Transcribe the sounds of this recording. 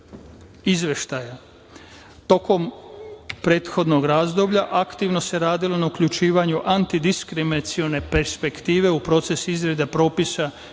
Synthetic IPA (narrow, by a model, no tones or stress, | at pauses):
izʋe̞ʃt̪aja | t̪o̞ko̞m | pɾe̞ːt̪xo̞d̪no̞ɡɾaːzd̪o̞bʎaʔakt̪iʋno̞se̞ɾaːd̪ilo̞naukʎut͡ʃiːʋaɲuʔant̪id̪iskɾiminat̪sione̞pe̞ɾspe̞kt̪iːʋe̞upɾo̞ːt̪se̞sizɾe̞d̪apɾo̞ːpisa